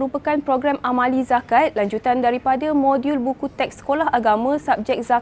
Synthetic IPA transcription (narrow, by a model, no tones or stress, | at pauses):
ɾupəkanpɾoɡɾamamãlizakat̪̚laɲd͡ʒut̪andaɾipadamõdjulbukut̪ɛk̚sə̥kolaɦaɡamãsap̚d͡ʒɛk̚za